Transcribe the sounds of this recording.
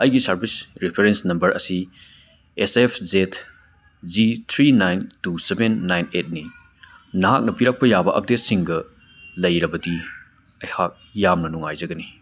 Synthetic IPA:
ɐjɡisɐɾbisɾipʰeɾensnɐmbɐɾʔɐ̰si | esepʰzet | d͡ʒit̪ʰɾinajntusebenːajnet̚ni | nɐɦak̚nɐpiɾak̚pɐjabɐʔɐ̰p̚det̚siŋɡɐ | lɐjɾɐbɐdi | ɐjhak̚jamnɐnuŋajzɐɡɐni

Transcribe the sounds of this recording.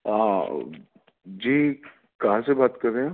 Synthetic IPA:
ɦã | d͡ʒiː | kɐɦãsebaːt̪kɐɾːẽã

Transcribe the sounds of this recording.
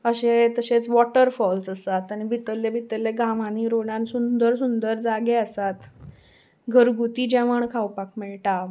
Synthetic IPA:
əɕet̪əɕet͡sʋɔʈəɾfɔlsəsat̪añibʱit̪əlːebʱit̪əlːeɡãʋaniɾoɽãnsund̪əɾsund̪əɾd͡zaɡeəsat̪ | ɡʱəɾɡut̪iːd͡ʑɛʋəɳkʰawpakmɛɭʈa

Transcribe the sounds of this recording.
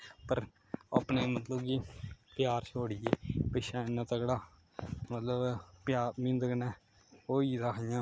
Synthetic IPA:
pəɾ | a̰pneːmət̪ləbɡiːpjaːɾt͡ʃʰoːɽɪjeːpɪʃaːɪnãːt̪əkɽaː | mət̪ləbpjaːɾmɪ̃nd̪əknɛ̃ː | oːiːɾaːkʰɪjãː

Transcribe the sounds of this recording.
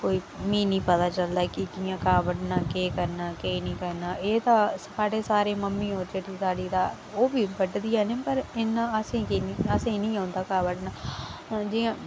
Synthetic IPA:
koːiː | mĩːnĩːpət̪aːt͡ʃəld̪aːkɪd͡ʒɪjãːkaːbəʈnaːkeːkəɾnaːkeːnĩːkəɾnaːʔeːt̪ãːsaːɖeːsaːɾeːməmːĩːɦoːɾd͡ʒeʈiːsaːɖiːd̪aː | oːbiːʋəɖd̪ijaːneːpəɾɪnãːəsẽːkiniəsẽːĩːnĩːãːnd̪aːkaːʋəʈnaː | d͡ʒɪjãː

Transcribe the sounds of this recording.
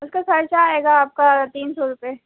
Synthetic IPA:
ʊskakʰɐɾt͡ʃaːeːɡaːp̚kat̪iːnsɔːɾʊpe

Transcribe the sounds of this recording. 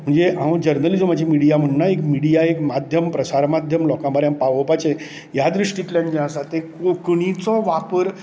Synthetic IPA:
m̤əɳd͡zeʔãʋəd͡ʑəɾnəlid͡zom̤ad͡ʑʱimiɽijam̤əɳːaekmiɽijaekmad̪ʱjəmpɾəsaɾmad̪ʱjəmlɔkãbaɾjãmpaʋəpat͡ɕe | jad̪ɾiʂʈit̪ljaɳd͡ʑeãsat̪ekokɳ̃it͡sɔʋapəɾ

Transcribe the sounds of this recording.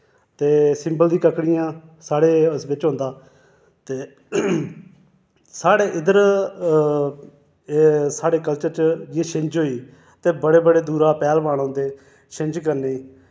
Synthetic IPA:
t̪eːsɪmbəld̪ĩːkəkɽijãːsaːɽeːsʋɪt͡ʃɦõnd̪aː | t̪eː | saːɽeːʔɪd̪əɾ | saːɽeːkəlt͡ʃəɾt͡ʃd͡ʒeːʃɪ̃ɲd͡ʒɦoːiː | t̪eːbəɽeːbəɽeːd̪uːɾaːpɛːlbaːɽõːnd̪eː | t͡ʃʰɪ̃ɲd͡ʒk̬əɾneiː

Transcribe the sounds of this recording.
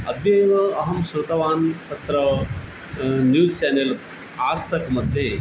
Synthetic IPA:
ɐ̰bʱjɐjʋɐɐɦɐmsɾut̪ɐʋaːnt̪ɐt̪ɾɐ | njuːzt͡ʃaːnel | aːst̪ʰɐkmɐd̪ʱːeː

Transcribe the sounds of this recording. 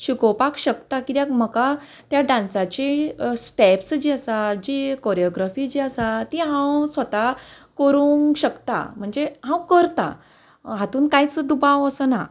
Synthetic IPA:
ɕikowpakɕəkt̪akit̪jãkm̤əka | t̪jaɖãnsat͡ɕesʈɛpsd͡ʑiəsad͡ʑikɔɾjɔɡɾafid͡ʑiəsat̪ĩɦãwsʋət̪a | kəɾuŋɕəkt̪a̰m̤əɳd͡zeɦãwkəɾt̪a̰ | ɦat̪uːnkajt͡sd̪ubaʋəsəna

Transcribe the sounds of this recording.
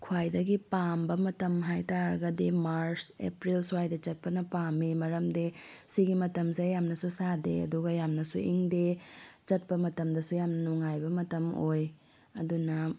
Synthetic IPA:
kʰwajdɐɡipambɐmɐtɐmɦajtaɾɐɡɐdimaɾsḛpɾilswajdɐt͡ʃɐt̚pɐnɐpamimɐɾɐmdesiɡimɐtɐmsejamnɐsusadḛɐ̰duɡɐjamnɐsuʔiŋdet͡ʃɐt̚pɐmɐtɐmdɐsujamnɐnuŋajbɐmɐtɐmoj | ɐ̰dunɐ

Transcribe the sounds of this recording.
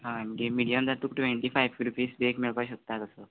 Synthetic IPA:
ɦãməɡemiɽijəmd͡zat̪ukʈʋeɳʈiːfajʋɡɾupiːsbekmeɭpaɕək̚t̪at̪əsə

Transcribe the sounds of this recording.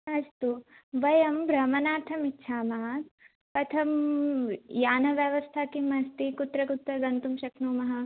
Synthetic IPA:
ɐst̪uʋɐjɐmbɾɐmɐnaːɾt̪ʰɐmitːʃʰaːmaːt̪ | pɐt̪ʰɐm | jaːnɐʋjɐʋɐst̪ʰaːkimɐst̪ikut̪ɾɐkut̪ɾɐɡɐnt̪umʃɐknuːmɐɦɐ̆

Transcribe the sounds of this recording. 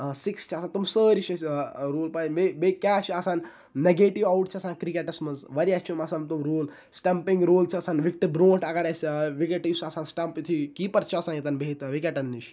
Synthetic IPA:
sikst͡ʃʰiɐsaːnt̪umsəːɾiʃʰɐsɾoːlpajmebekaːʃɐsãːn | neɡeːʈiʋɐwʈt͡ʃʰiɐsãːnkɾikeʈɐsmɐzʋɐɾiɐst͡ʃʰumɐsɐnt̪umɾoːl | sʈɐmpiŋɡɾoːlt͡ʃʰiɐsaːnʋik̚ʈibɾõːʈʰɐɡɐɾɐsʋikeʈsɐsãːnsʈɐmpit̪ʰikiːpɐɾt͡ʃʰiɐsaːnjit̪ɐnbʱeːt̪ʋikeʈɐnːiʃ

